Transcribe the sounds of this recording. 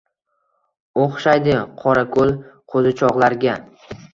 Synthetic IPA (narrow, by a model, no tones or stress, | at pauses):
oχʃajd̪ɪqʰɒɾakʰolˠqʰozɪt͡ʃʰɒʁlˠaɾɡʲa